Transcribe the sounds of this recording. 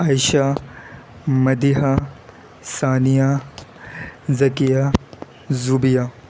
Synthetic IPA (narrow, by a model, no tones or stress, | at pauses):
aːjʃa | mɐd̪iɦa | saːnija | zɐkija | zuːbijaː